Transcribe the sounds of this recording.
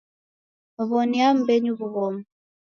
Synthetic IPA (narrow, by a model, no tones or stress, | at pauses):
βɔniam̩bɛɲuβuβɔm